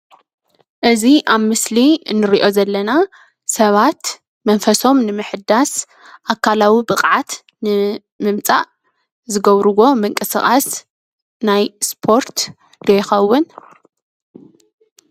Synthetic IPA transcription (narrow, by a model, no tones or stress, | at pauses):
ʔɨziʔaβmɨsliɨnːɨɾiʔo̞zɐlːɐna | sɐβat̪ | mɐnfɐso̞mnɨmɨħɨd̪as | ʔakʰːalawibɨqʼʕat̪ | nɨ | mɨmt͡sʼa̰ʔ | zɨɡɐβɾɨɣo̞mɨŋkʼɨsɨχʼas | najspʰo̞ɾt̪ | d̪ojɪxɐwːʊn